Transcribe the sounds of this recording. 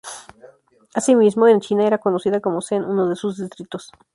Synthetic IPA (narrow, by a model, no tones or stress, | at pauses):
asimizmoent͡ʃinae̞ɾako̞nosiðako̞mosenunoðesuzðist̪ɾit̪o̞s